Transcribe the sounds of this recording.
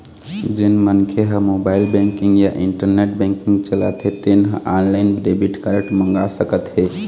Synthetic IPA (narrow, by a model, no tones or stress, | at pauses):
d͡ʒinmənkʰeɦəmobaɪlbɛ̃ŋkĩŋɡjaʔiɳʈəɾneʈbɛ̃ŋkiŋɡt͡ʃələ̰t̪ɦet̪enɦəʔanlaɪnbɾebiʈkəɾəʈmə̃ŋɡasəkət̪ɦe